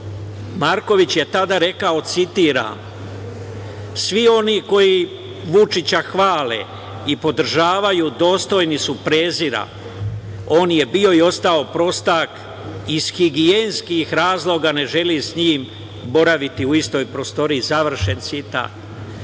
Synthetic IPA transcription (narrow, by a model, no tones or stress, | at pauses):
maɾko̞ʋit͡ɕje̞t̪ad̪aɾe̞kao̞t̪sit̪iːɾa̰m | sʋio̞niko̞ji | ʋut͡ʃit͡ɕaxʋaːle̞̰ | ipo̞d̪ɾ̩ʒaːʋajud̪o̞ːst̪o̞jnisupɾe̞ːziɾa̰ | o̞ːnje̞bio̞io̞st̪ao̞pɾo̞st̪ak | iz̥xiɡienskixɾaːzlˠo̞ɡane̞ʒe̞lisɲiːm | bo̞ɾaʋit̪iuist̪o̞jpɾo̞st̪o̞ɾiːzaʋr̩ʃe̞nt̪sit̪a̰ːt̪